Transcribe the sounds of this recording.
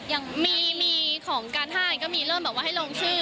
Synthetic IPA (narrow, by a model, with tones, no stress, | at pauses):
ja˧ŋmiː˧miː˧kʰɔː˩˦ŋkaː˧nʰaː˥˩˧kɔː˥˩miː˧ɾɤː˥˩mbɛ˨˩k̚waː˦˥˩ɦa˥˩jloː˧ŋt͡ɕʰɯː˥˩